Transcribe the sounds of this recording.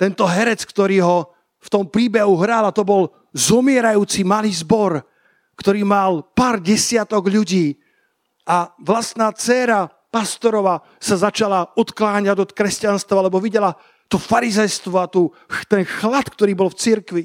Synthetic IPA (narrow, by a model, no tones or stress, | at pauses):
t̪ɛnt̪ɔɦɛɾɛt͡skt̪ɔɾiːɦɔ | ft̪ɔmpɾiːbɛɦuɦɾaːlat̪ɔbɔl | zɔmɪɛɾajuːt͡simaliːzbɔɾ | kt̪ɔɾiːmalpaːɾɟɛsɪat̪ɔɡʎuɟiː | ʔaʋlast̪naːt͡sɛːɾa | past̪ɔɾɔʋa | sazat͡ʃalaɔt̪klaːɲaɟɔt̪kɾɛscanst̪ʋaalɛbɔʋiɟɛla | t̪ɔfaɾizɛjst̪ʋɔat̪uː | t̪ɛnxlat̪kt̪ɔɾiːbɔlft͡siɾkʋi